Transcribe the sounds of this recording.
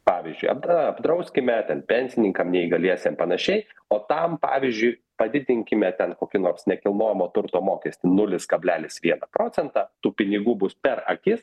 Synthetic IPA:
pɑːʋʲizʲd͡ʒʲʊ̰ɪɐ̰b̪ɐbd̪ɾɐʊsʲkʲɪmʲɛt̪ʲɛnpʲɛnʲsʲɪnʲɪŋkɐmnʲɛiɡɐlʲiɛsʲɛmpɐnɐʃʲɛɪoːt̪ɐmpɑ̰ːʋʲɪzʲd͡ʒʲʊɪ | pɐd̪ʲɪd̪ʲɪŋʲkʲɪmʲɛt̪ʲɛnkoːkʲɪnoːrsnʲɛkʲɪlˠnoːjɛmoːt̪ʊɾt̪oːmoːkʲɛsʲt̪ʲɪnʊlʲɪskɐbʲlʲæːlʲɪsʋʲiɛnɐpɾoːt͡s̪ʲɛnt̪ɑːt̪uːpʲɪnʲɪɡuːbʊspʲɛɾɐkʲɪs

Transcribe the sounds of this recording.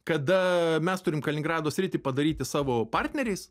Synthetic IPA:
kɐd̪ɐmʲɛst̪ʊɾʲɪmkɐlʲnʲɪŋɡɾɑːd̪oːsʲɾʲɪt̪ʲɪpɐd̪ɐɾʲiːt̪ʲɪsɑːʋoːpɑrʲt̪ʲnʲɛɾʲɛɪs

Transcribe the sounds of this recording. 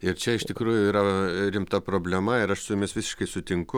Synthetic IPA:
ɪɾt͡ʃʲɛɪʃt̪ʲɪkɾuːjʊiːɾɐɾʲɪmt̪ɐpɾoːbʲlʲɛmɐɪɾɐʃsʊemʲesʋʲɪsʲɪ̥ʃkɐɪsʊt̪ʲɪŋkʊ

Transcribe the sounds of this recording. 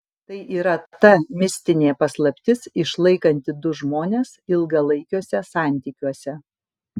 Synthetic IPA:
t̪ɐɪʔiːɾɐt̪ɐmʲɪsʲt̪ʲɪnʲeːpɐslˠɐpʲt̪ʲɪsɪʃlˠɐɪkɐnʲt̪ʲɪd̪ʊʒmoːnʲeːsɪlˠɡɐlˠɐɪkʲoːsʲɛsɑˑnʲt̪ʲiːkʲuɔsʲɛ

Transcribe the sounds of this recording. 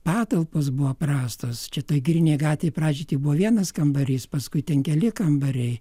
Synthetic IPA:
pɑːt̪ɐlˠposbʊʋoprɑːst̪oːst͡ʃʲɛt̪oːjɡɾʲɪnʲeɪɡɑːt̪ʲʋʲɛɪprɑːd͡ʒʲiːt̪ʲibʊʋɔʋʲiɛnɐskɐmbɐɾʲiːspɐskʊɪt̪ʲɛnkʲɛlʲɪkɐmbɐɾʲɛɪ

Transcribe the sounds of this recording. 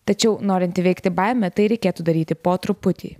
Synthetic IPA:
t̪ɐt͡ʃʲɛʊnoːɾʲɪnʲt̪ʲɪʋʲɛɪkt̪ʲɪbɐɪmʲɛt̪ɐɪɾʲɛɪkʲeːt̪ud̪ɐɾʲiːt̪ʲɪpoːt̪ɾʊpʊt̪ʲḭː

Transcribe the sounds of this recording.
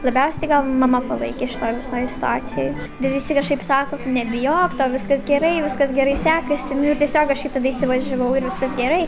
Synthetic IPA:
lˠɐbʲɛʊsʲɛtɪɡɐlˠmɐmɐpɐlˠɐ̰ɪkʲeːʃʲɪ̥t̪oːjʋʲɪsoːjsʲɪ̥t̪ʊɑːt̪sʲɪjoːjbʲɛt̪ʋʲɪsʲɪkɐʃkɐɪpsɑːkoːt̪ʊnʲɛbʲɪjoːkt̪oːʋʲɪskɐsɡʲɛɾɐɪʋʲɪskɐsɡʲɛɾɐɪsʲæːkɐsʲɪnʊɪrtʲɛsʲoːkɐʃkɐɪpt̪ɐd̪ɐiːsʲɪʋɐʒʲɛʋɐʊɪɾʋʲɪskɐsɡʲɛɾɐɪ

